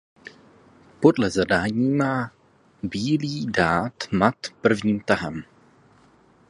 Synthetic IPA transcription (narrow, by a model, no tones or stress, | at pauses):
po̞dlɛzadaːɲiːmaː | biːliːdaːt̪mat̪pr̩vɲiːmt̪aɦɛm